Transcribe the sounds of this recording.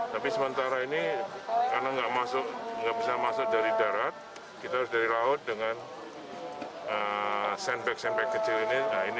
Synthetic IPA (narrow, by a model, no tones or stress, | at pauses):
t̪apisəmənt̪aɾainikarnaŋɡaʔmasʊk̚ŋɡaʔbisarmasʊk̚daɾidaɾat̪̚ | kit̪aɦaɾʊs̬daɾilaʊt̪̚dəŋan | əsɛnbɛk̚sɛnbɛkːət͡ʃɪliniain